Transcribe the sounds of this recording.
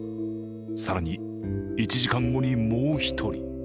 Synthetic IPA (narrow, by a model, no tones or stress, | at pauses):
saɾaɲ̟i | it͡ɕiʑikãŋɡo̞ɲ̟imoːçi̥t̪ʰo̞ɾʲḭ